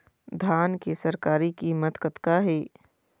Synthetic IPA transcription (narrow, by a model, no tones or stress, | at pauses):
d̪ʱaːnkesɐɾkaːɾikimɐt̪kət̪kaɦɛː